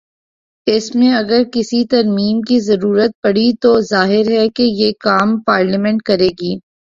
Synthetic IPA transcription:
ɪsmẽɐɡəɾkɪsit̪ɐɾmiːmkizɐɾuːɾət̪̚pɐɽ̤it̪ozaːɦɪɾɦɛkejeːkaːmpaːɾləmɛ̃ɳʈ̚kɐɾeːɡiː

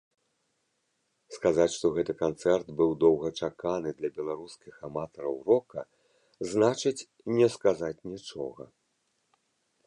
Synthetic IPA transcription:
skazat͡sʲʂt̪ɔɣɛt̪ɨkant̪sɛrt̪bɨwd̪ɔwɣɐt͡ʂakanɨd̪lʲɐbʲɛlˠaɾuskʲixamat̪ɐɾɐwrɔkɐ | znat͡ʂɨt͡sʲ | nʲɛskazat͡sʲnʲit͡ʂɔ̰ɣɐ̰

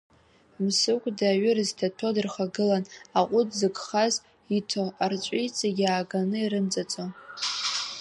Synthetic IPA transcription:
msɨkʷʼdaɥʏrɨztʰatʰodɨrχaɡɨlanaqʷʼʊdzɨɡʼχaz | itʰoart͡ʃʷʼijt͡sʼaɡʲaːɡanɨiɾɨnt͡sʼat͡sʼo

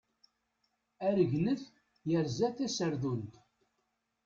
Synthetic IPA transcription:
æɾəʝnəθ | jəɾzæθæsəɾðunt̪

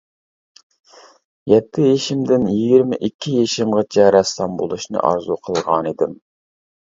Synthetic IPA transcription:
jɛt̪ʰːɪjeʃɪmd̪ɪnjiɡʲiɾmɪʔikʲʰːijeʃimʁɨt͡ʃʰɛɾɛsːɑmbo̰lˠuʃnɨ̰ʔɑ̰ɾzuqʰəlˠʁɑnid̪ɪm

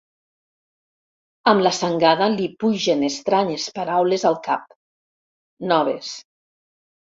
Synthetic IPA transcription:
əmlasaŋɡaðalipuʒenest̪ɾaɲespaɾawlezalˠkap̚ | nɔβ̞es

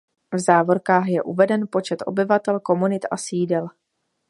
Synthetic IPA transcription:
vzaːvo̞ɾkaːxjɛʔuvɛdɛnpo̞t͡ʃɛt̪ʔo̞̰bɪvat̪ɛlko̞munɪt̪asiːdɛl

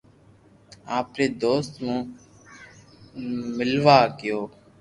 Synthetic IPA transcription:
aːpɾeːd̪oːst̪mũː | mɪlʋaːkɪjoː

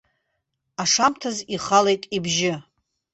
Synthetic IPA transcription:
aʂamtʰaziχale̞jtʼibʒɪ

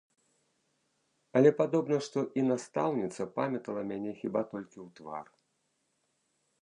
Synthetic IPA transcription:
ɐlʲɛpad̪ɔbnɐʂt̪ɔʔinast̪awnʲit̪sɐpamʲɛt̪ɐlˠɐmʲanʲɛxʲibat̪ɔlʲkʲiwt̪va̰r

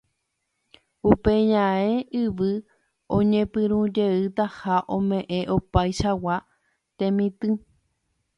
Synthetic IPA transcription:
upe̞ɲãeʔɨʋɨ | õɲẽpɨ̃ɾ̃ũd͡ʒe̞ɨt̪ahaʔõmẽ̞ʔẽ̞ʔopajʃawa | t̪ẽ̞mĩt̪ɨ̃

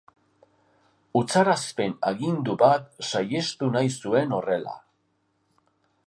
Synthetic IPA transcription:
ut͡saɾaspe̞naɣind̪uβat̪saje̞st̪unajsue̞no̞re̞la̰

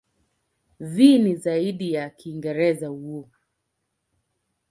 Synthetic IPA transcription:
viːnizaiɗijakiːŋɡɛɾɛzahuɔ

